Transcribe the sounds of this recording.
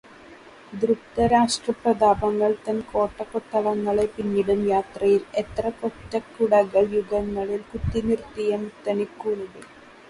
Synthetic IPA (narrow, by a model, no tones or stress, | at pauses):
d̪rukt̪ɐɾaːʂʈrɐprɐd̪aːbɐŋːɐɭt̪ɐnko̞ːʈːɐkoʈːɐɭɐŋːɐɭe̞piɲːiɽumjaːt̪rɐjilet̪rɐkotːɐkːuɽɐɣɐɭjuɡɐŋːɐɭilkut̪ːinirt̪ːijɐmt̪ːɐnikːunuɽe